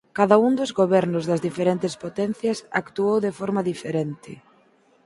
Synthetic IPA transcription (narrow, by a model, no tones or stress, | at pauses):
kaðaund̪ʊzɣoβɛɾnʊzðɐzðifeɾent̪ɪspot̪ɛnθjɐsa̰kt̪uowðɪfɔɾmaðifeɾɛnt̪ɪ